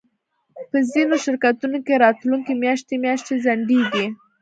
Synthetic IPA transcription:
pəzinoʃɪɾkat̪unokeɾɑt̪luŋkemjɑʃt̪emjɑʃt̪ezaɳɖeɡi

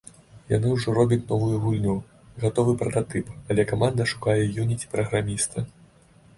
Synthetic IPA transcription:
ja̰nɨwʐɔɾɔbʲɐt͡sʲnɔvujuɣulʲnʲu | ɣat̪ɔvɨpɾɐt̪at̪ɨpalʲɛkamand̪ɐʂu̥kajɛjunʲit͡sʲipɾɐɣɾamʲist̪ɐ

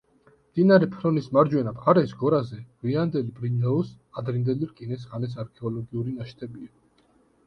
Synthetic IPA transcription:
md̪̥inaɾɛpʰɾɔnismaɾd͡ʒwɛnabaɾɛsɡɔɾazɛʁ̥wiand̪ɛlibɾinɛɔs | ad̪ɾind̪ɛliɾkʼinɛs̬ʁanɛs̬aɾkʰɛɔlɔɡiuɾinaʃt̪ʰʼɛbia

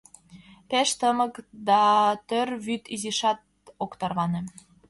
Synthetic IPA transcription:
peʃt̪əməkd̪ɑt̪ørβyt̪iziʃɑt̪̚ | okt̪ɑrβɑnĕ

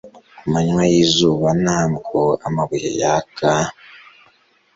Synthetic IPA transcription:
amaɲwajiːzuːβanaːmɡoa̰maβihḛjaka

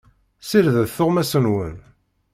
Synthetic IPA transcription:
siɾðəðθʊʁmæsənwə̰n

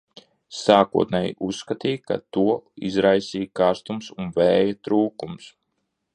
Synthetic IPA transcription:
saːkṵɔt̪nɛjḭʔusːkat̪iːka̰t̪uɔizɾajsiːjkaɾst̪umsunvɛːjat̪ɾuːkums

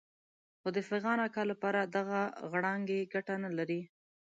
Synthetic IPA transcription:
xod̪əfɪɣɑnakɑlapɑɾad̪aɣaɣɽɑŋɡeɡaʈanalaɾi

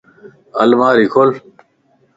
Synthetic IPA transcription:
ɐlmaːɾikʰol

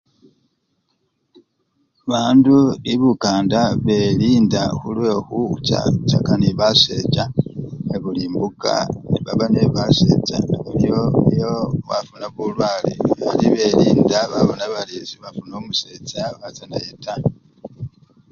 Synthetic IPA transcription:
βaːnduliβukaːndaβe̞ɾiːndaxulwexut͡ʃa̰t͡ʃakaniβase̞t͡ʃaeβuliːmbuka̰niβaβaneβase̞̰t͡ʃa̰βuɾijoijoβa̰funaβulwaːlḭβaliβeɾiːndaβaβonaβaliziβafuno̞ːmuse̞t͡ʃaβat͡sanajeta

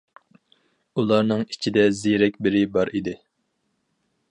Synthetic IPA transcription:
ulˠɑɾnɨŋit͡ʃʰid̪ɛziɾɛkʲbɪɾɪbɑɾid̪ɪ

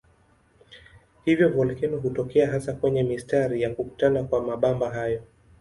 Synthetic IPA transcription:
hivjɔvɔlkɛnɔɦutɔkɛaɦasakwɛɲɛmistaɾijakuku̥tanakwamaɓambaɦajɔ

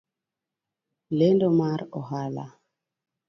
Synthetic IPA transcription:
lendomaɾɔɦala̰

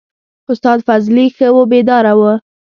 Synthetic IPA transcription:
ʊst̪ɑd̪fazlixəwobed̪ɑɾawə

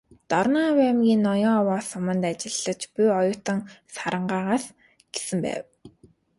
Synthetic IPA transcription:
t̪ɔrnawæmɡʲiːnːɔjɔːwaːsʊmə̆nt̪at͡ɕɪ̆ɮːə̆t͡ɕpujɔjʊːt̪ə̆ŋsaɾə̆ɴɢaːʁaːs | ɡ̥esɘ̆mpæ̰ːw

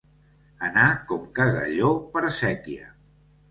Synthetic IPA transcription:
ənakɔmkəɣə̰ʎopəɾəsɛkiə̰

